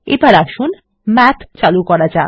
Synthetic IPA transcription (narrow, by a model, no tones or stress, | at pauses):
ebaɾaʃun | mɛt̪ʰt͡ɕalukɔɾad͡ʑa